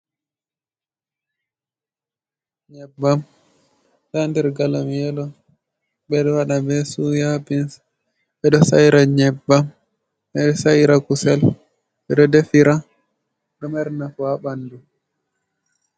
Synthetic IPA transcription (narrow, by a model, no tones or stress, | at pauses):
ɲɛbːam | ɗandɛɾɡalamjɛlɔ | ɓɛɗɔwaɗabɛsujabins | ɓɛɗɔsa̰jiɾaɲɛbːam | ɛsaiɾakusɛl | ɓɛɗɔdefiɾa | ɗɔmɛɾnafuabandu